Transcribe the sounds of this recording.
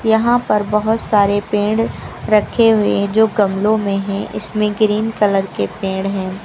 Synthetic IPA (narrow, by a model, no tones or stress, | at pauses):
jɐɦãpɐɾbɐɦʊt̪saːɾepẽːɖɾɐkʰːeɦʊed͡ʒoːɡɐmlõmẽɦɛ̃ʔɪ̰smẽɡɾiːnkɐləɾkepẽːɖɦɛ̃ː